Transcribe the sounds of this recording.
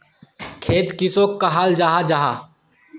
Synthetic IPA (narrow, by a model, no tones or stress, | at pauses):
kʰeːt̪kɪsoːkːaɦaːld͡ʒaːɦad͡ʒaɦa̰ː